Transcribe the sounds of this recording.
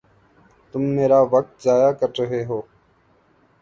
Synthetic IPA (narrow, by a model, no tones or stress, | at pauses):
t̪ʊmːeːɾaːʋək̚t̪zaːjaːkəɾɾəɦeːɦoː